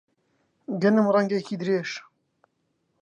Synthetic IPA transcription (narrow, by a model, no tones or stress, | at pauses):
ɡənəmrɛŋɡekiːd̪ɾeːʃ